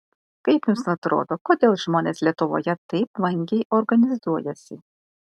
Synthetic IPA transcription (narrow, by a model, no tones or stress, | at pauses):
kɐɪpjʊmsnɐt̪ɾo̰ːd̪ɔkɔd̪ʲeːlˠʒmɔːnʲeslʲiɛt̪ʊʋo̰jɛt̪ɐɪpʋɐŋʲɡʲɛjʔɔrɡɐnʲɪzuɔjɛsʲɪ